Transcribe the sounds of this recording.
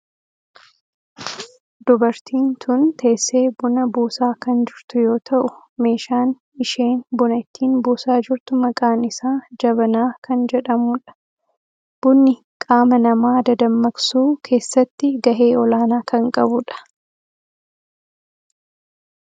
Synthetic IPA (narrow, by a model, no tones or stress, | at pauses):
d̪ʊbɐɾt̪ʰiːnt̪ʊnt̪ʰeːsːe̞ːbʊnɐbuːsaːkɐnd͡ʒɪɾt̪ʊjo̞ːt̪ʰɐʔʊme̞ːʃaːn | ɪʃeːnbʊnɐɪt̪ʰːiːnbuːsaːd͡ʒɪɾt̪ʊmɐkʼaːnɪsaːd͡ʒɐbɐnaːkɐnd͡ʒɛᶑɐmʊᶑɐ̥ | b̥ʊnːɪ | kʼaːmɐnɐmaːd̪ɐd̪ɐmːɐksuːkʰe̞ːsːɐt̪ːɪɡɐɦe̞ːɔlaːnaːkɐŋkʼɐbʊᶑɐ̥